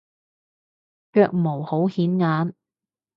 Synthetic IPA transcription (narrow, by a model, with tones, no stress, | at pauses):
kœː˧k̚mo˨˩who˨˥whiː˨˥nŋaː˨˥n